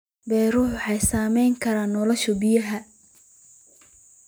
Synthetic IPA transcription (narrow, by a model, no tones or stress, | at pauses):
bɛːruːħħɑjsaːmɛjŋkʰɐɾaːnːɔlɔʃɔbɪjɐɦɐ